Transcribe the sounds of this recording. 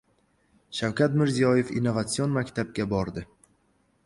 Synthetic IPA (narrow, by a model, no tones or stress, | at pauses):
ʃawkʲat̪mɪɾzijɒjefḭnːovat̪sionmakʲt̪ʰab̚ɡʲabɒɾd̪ɪ